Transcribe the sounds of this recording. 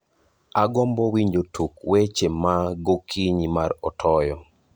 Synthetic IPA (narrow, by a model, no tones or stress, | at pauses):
aɡɔmbɔwiɲd͡ʒotukwet͡ʃemaɡokʰiɲimarɔtʰɔjɔ